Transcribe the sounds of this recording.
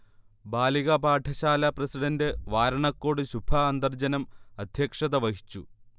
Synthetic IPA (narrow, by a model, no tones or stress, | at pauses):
baːliɣɐbaːʈʰɐɕaːlɐprɐsiɖɐndɨʋaːɾɐɳɐkːoːɽɨɕubʱɐːnd̪ɐrd͡ʑɐnɐmɐd̪ʱjɐkʂɐðɐʋɐɦit͡ɕːu